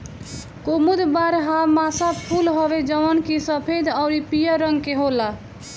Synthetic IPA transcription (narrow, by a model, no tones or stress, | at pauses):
komud̪baɾɦamasapʰulɦɔbed͡ʒəʋənkisəpʰed̪aʊɾipijəɾʌŋɡkeɦola